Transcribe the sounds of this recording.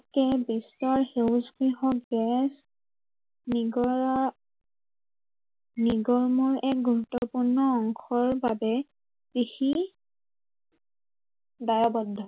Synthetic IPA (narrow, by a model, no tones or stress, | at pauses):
kɛbisɔɹhewsɡɹiɦɔkɡɛs | niɔ | niɡɔɹmɔɹɛk̚ɡuɹut̪ːɔpuɹnɔːŋxʰɔɹbabɛ | pɹixi | dajɔbɔdʱɔ